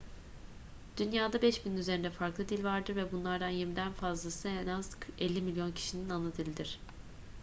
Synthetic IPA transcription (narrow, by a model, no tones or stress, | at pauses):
d̪̥ynjaːd̪abɛʃbininyzeɾind̪ɛfaɾklˠɯd̪ilʲvaɾd̪ɯɾvɛbunlˠaɾd̪anjiɾmid̪ænfazlˠasɯenazʰɛlʲːimilʲjo̞ncʰi̥ʃininanɯd̪ilʲd̪iɾ̝̥